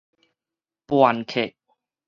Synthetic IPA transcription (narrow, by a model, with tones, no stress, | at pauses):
pwa˨nkʰe˨ʔ̚